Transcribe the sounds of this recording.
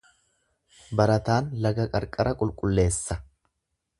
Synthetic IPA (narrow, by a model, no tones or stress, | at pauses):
bɐɾɐt̪aːnlɐɡɐkʼɐɾkʼɐɾɐkʼʊlkʼʊlːe̞ːsːɐ